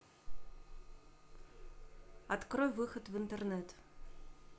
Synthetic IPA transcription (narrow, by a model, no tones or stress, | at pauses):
at̪krojvɨxət̪vɨnt̪ərnɛt̪